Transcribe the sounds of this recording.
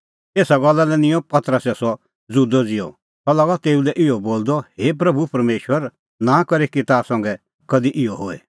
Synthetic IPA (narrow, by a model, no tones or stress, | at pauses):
eːsaɡɔlːalɛnɪ̃jɔ̃pɐt̪ɾəsɛsɔ | d͡zud̪ɔd͡zɪjɔ̰ | t̪ɔlaɡat̪eːulɛʔɪɔboːld̪ɔheːp̬ɾɐbʱupɐɾmeːʃwəɾ | nãkɐɾikit̪aːsɐ̃ŋɡɛ | kɐd̪iʔɪɔɦoːɛ̰